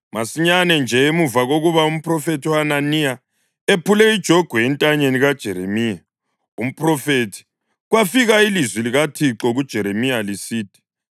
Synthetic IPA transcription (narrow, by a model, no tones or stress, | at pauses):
masiɲanɛnd͡ʒʱɛemuvaɣoɣuβaum̩pʰʼrɔfetʰuananija | epʰulɛid̥ʒ̥ʱoɡ̥ʱwuɛntʼaɲeniɣad̥ʒ̥ʱɛɾemiːja | um̩pʰʼrɔfetʰi̥ | ɣwafiɣailizwiliɣatʰiǁɔɣud̥ʒ̥ʱɛɾemijalisiːtʰi̥